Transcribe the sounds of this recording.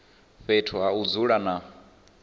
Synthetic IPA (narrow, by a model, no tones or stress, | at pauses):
ɸetʰɔɦaud͡zuɺana